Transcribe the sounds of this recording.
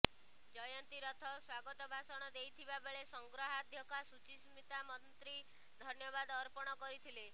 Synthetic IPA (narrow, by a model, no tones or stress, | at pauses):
d͡ʒɔjɔnt̪iɾɔt̪ʰɔswaɡɔt̪ɔbʱasɔɽ̃ɔd̪ejt̪ʰibabeɭesɔŋɡɾɔɦad̪ʱjɔkasut͡ʃismit̪amɔnt̪ɾi | d̪ʱɔnjɔbad̪ɔɾpɔɽ̃ɔkɔɾit̪ʰile